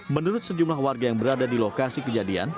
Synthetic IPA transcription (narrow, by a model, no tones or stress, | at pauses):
mənuɾʊt̪̚səd͡ʒumlahwarɡajaŋbəɾadadilokasikəd͡ʒadia̰n